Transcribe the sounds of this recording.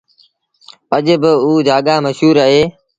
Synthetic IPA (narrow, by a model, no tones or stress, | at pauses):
əʄbɪuːd͡ʒaːɠaːməʃɦuːɾaːɦeː